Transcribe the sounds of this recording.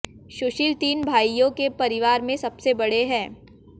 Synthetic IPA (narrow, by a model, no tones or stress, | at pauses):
ʃʊʃɪlt̪iːnbʱaːijõkepɐɾɪʋaːɾmẽsɐbsebɐɽeɦɛ̃ː